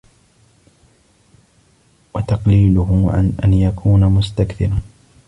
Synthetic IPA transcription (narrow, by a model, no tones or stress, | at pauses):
wɑt̪ɑqliːlʊhʊʕa̰nʔanjakʰuːnamʊst̪akθɪɾa